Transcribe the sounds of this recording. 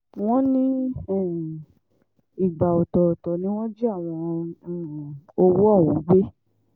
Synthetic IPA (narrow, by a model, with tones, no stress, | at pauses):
w̃ɔ̃˦nĩ˦˨ | i˨ɡ͡ba˨o˨tɔ˨o˨tɔ˨nĩ˨˦w̃ɔ̃˦d͡ʒi˦a˦˨w̃ɔ̃˧˨ | o˧wo˦ɔ˦˨wɔ̃˨˦ɡ͡be˦